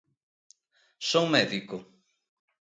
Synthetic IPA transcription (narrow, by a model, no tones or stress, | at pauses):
sowmɛðikʊ